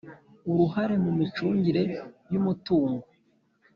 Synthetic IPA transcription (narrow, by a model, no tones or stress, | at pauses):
uɾuhaɾe̞mumit͡ʃuːɲɟiɾe̞jumutuːŋɡo